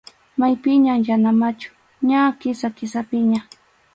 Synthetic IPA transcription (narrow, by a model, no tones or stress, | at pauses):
majpɪɲamjanamat͡ʃʊ̥ | ɲakɪsakɪsapɪɲa